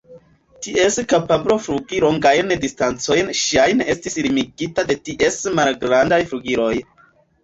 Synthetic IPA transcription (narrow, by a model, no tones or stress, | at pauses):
tie̞skapablo̞fɾuɡilo̞ŋɡajndistant͡so̞jnʃajnestislimiɡitade̞tiʔe̞smalɡɾandajfɾuɡiɾo̞j